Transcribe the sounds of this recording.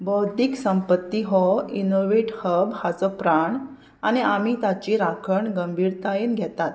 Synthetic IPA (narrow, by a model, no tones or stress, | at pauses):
bɔwd̪iːksəmpət̪ːiɦɔinoʋeʈhəbhat͡sɔpɾaɳ | aniamit̪at͡ɕiɾakʰəɳɡəmbʱiːɾt̪ainɡʱɛt̪at̪